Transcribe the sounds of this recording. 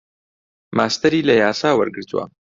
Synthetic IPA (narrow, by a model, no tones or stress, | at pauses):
maːst̪ɐɾilajaːsaːwəɾɡɨɾt̪wa̰